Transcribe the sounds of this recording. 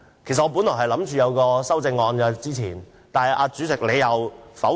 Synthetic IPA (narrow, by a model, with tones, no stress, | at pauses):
kʰe˨˩s̬ɐ˨t̚ŋɔː˨˧p̬u˨˥nlɔː˨˩ɦɐ˨jlɐ˨˥mt͡ʃyː˨jɐ˨˧wkɔː˧sɐ˥wt͡sɪ˧ŋːɔː˧nkaː˨˧t͡siː˥t͡sʰiː˨˩n | t̪aː˨nhɐ˨˩jʔaː˧t͡ʃyː˨˥t͡sɪ˨k̚le˨˧jɐ˨˧wfɐ˨˥w